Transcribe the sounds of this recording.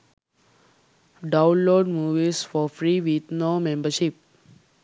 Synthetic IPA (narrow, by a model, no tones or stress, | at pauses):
ɖãʊ̃nloːɖmuːʋisfɔɾfɾiːʋit̪nomẽmbəɾʃip̚